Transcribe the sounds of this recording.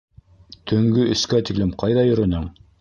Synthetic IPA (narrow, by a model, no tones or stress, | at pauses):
t̪ʰɵ̆ŋɡɵɵ̆skæt̪iklɘmqɑjðɑjɵ̆ɾɵ̆nɘɴ